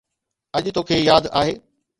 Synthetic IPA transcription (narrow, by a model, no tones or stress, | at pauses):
ɐʄt̪oːkʰeːjaːd̪a̰ːɦeː